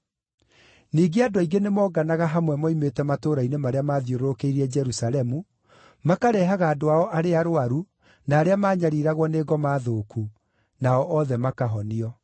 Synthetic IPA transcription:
niːɡeadwaiɡenemɔːɡanaɣaɦamwɛmɔimetɛmatoːɾainemaɾeamaːðjoɾoɾokeiɾiɛd͡ʒɛɾusalɛmu | makaɾɛɦaɣaːdoaɔʔaɾeaɾoaɾu | naːɾeamaːɲaɾiɾaɣwɔneːɣɔmaːðoːkʰu | naɔʔɔðɛmakaɦɔniɔ

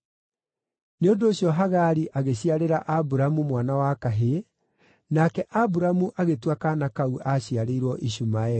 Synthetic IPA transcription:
neondoːɕjɔɦaɣaɾiʔaɣeɕiaɾeɾaʔabuɾamumwanawakaɦe | nakɛʔabuɾamuʔaɣetwakanakauʔaɕiaɾeiɾwɔʔiɕumaɛ

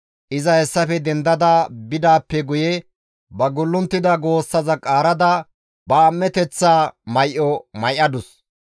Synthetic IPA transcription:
ʔɪzɐhɛsːɐfɛd̪ɛnd̪ɐd̪ɐbɪd̪aːpːɛɡʊjɛ | bɐɡʊlːʊnt̪ːɪd̪ɐɡo̞ːsːɐzɐkʼaːɾɐd̪ɐ | bɐːmːɛt̪ɛt͡sːaːmɐjʔɔmɐjʔɐd̪ʊs

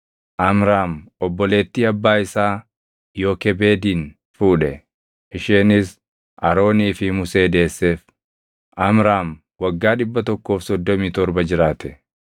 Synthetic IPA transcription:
ʔɐmɾaːmɔbːɔleːt̪ːiːɐbːaːɪsaː | jo̞ːkɛbe̞ːd̪iːn | fuːᶑɛ | ʔɪʃeːnɪs | ʔɐɾo̞ːniːfɪmʊse̞ːd̪e̞ːsːe̞ːf | ʔɐmɾaːm | wɐɡːaːᶑɪbːɐt̪ɔkːo̞ːfsɔd̪ːɔmiːt̪ɔɾbɐd͡ʒɪɾaːt̪ɛ̥

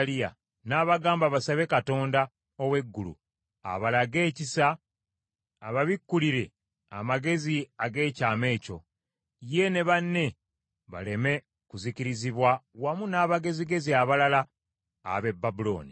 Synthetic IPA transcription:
lia̰ | naːβaɡaːmbaβasaβe̞kato̞ːnda | owe̞ɡːulṵ | a̰βalaɡe̞ːcisa | βaβikːuliɾe̞ | a̰maɡe̞ziaɡe̞ːcaːme̞ːco̞̰ | je̞ne̞βanːe̞ | βa̰le̞me̞ | kuziciɾiziβwawamunaːβaɡe̞ziɡe̞ziaβalala̰ː | βe̞bːabulo̞̰ːni

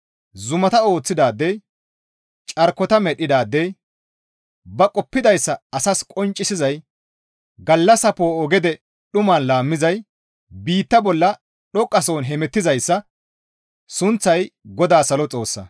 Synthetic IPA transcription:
zʊmɐt̪ɐo̞ːt͡sːɪd̪aːd̪ːɛj | t͡ʃʼɐɾkːɔt̪ɐmɛɗːɪd̪aːd̪ːɛj | bɐkʼɔpːɪd̪ɐjsːɐɐsɐskʼɔnt͡ʃʼːɪsɪzɐj | ɡɐlːɐsɐpoːɔɡɛd̪ɛ | ɗʊmɐnlaːmːɪzɐj | biːt̪ːɐbɔlːɐ | ɗɔkʼːɐsoːnɦɛmɛt̪ːɪzɐjsːɐ | sʊnt͡sːɐjɡɔd̪aːsɐlɔt͡sʼo̞ːsːɐ̰

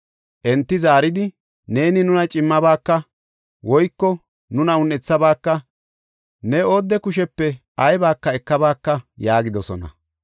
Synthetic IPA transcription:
ʔɛnt̪ːɪzaːɾɪd̪ɪ | ne̞ːnɪnʊnɐt͡ʃʼɪmːɐbaːkːɐ | wɔjkːɔ | nʊnɐʊnːɛt͡sːɐbaːkːɐ | nɛoːd̪ːɛkʊʃɛpːɛʔɐjbaːkːɐɛkːɐbaːkːɐjaːɡɪd̪ɔsɔ̰nɐ̰

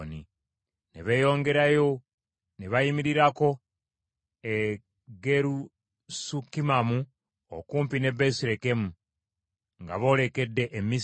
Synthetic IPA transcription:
ni | neβe̞ːjo̞ːŋɡe̞ɾajo̞ | neβajimiɾiɾako̞ | e | ɡe̞ɾu | sukːimamu | o̰kuːmpine̞besiɾe̞kemu | ŋɡa̰βo̞ːle̞ke̞dːe̞ʔemːi

